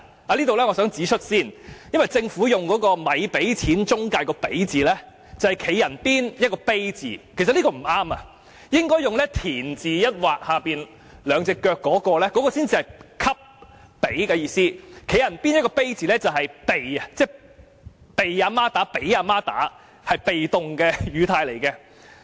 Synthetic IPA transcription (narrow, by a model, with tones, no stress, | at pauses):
aː˨˧liː˥t̪o˨wlɛː˥ŋɔː˨˧sœː˨˥ŋt͡siː˨˥t͡ʃʰɵ˥t̚siː˥njɐ˥nwɐ˨jt͡sɪ˧ŋfuː˨˥jʊ˨ŋkɔː˨˥kɔː˧mɐ˨˧jpe˨˥jt͡sʰiː˨˥nt͡sʊ˥ŋkaː˧jkɔː˧pe˨˥jt͡siː˨lɛː˥ | t͡sɐ˨˩whɐ˨jkʰe˨˥jːɐ˨˩npiː˥njɐ˥t̚kɔː˧pe˥jt͡sḭː˨kʰe˨˩sɐ˨liː˥kɔː˧˩m̩˨˩aː˥mɐ˧ | jɪ˥ŋkɔː˥jʊ˨ŋlɛː˥t̪ʰiː˨˩nt͡siː˨jɐ˥t̚waː˨k̚haː˨piː˨n | lœː˨˧ŋt͡sɪ˨˧kːœː˧kːɔː˨˥kɔː˧lɛː˥kɔː˨˥kɔː˧siː˥nt͡siː˧hɐ˨jkʰɐ˥p̚ː | e˨˥jkɛː˧jiː˧siː˥kʰe˨˥jɐ˨˩npiː˥njɐ˥t̚kɔː˧pe˥jt͡siː˨lɛː˥t͡sɐ˨wɦɐ˨jpe˨jɐ˧t͡sɛː˥ | pe˨jaː˨˧maː˥t̪aː˨˥pe˨˥jaː˨˧maː˥t̪a̰ː˨˥ | hɐ˨jpe˨jt̪ʊ˨ŋkɛː˧jyː˨˧t̪ʰaː˧jle˨˩jkɛ˧